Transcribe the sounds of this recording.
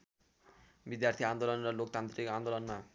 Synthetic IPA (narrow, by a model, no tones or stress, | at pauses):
bid̪jart̪ʰiand̪olʌnrʌlok̚t̪ant̪rikand̪olʌnma